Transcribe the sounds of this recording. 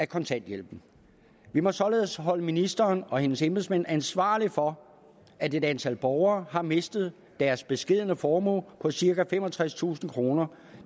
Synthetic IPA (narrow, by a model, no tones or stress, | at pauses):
ækʰɒ̽nt͡sʰæn̰d̥jel̰b̥n̩ | ʋimɒ̽sɒ̽le̝ːð̩̰ˠəsɦɒ̽ləminisd̥ɐːnɒ̽he̝nəsemb̥eð̩ˠsmen̰ænsʋɑ̰̈ːlifɒ̽ | æd̥e̝d̥ænt͡sʰæl̰b̥ɒʊɐːɦɑ̈me̝sd̥ð̞̩ˠ | d̥æɐsb̥e̝sɡ̥e̝ð̰ˠnəfɒːmɔ̰ːlpʰɒ̽siɐkæfemɒ̽t͡sʰʁast͡sʰṵːsn̩kʰʁo̝ːnɐ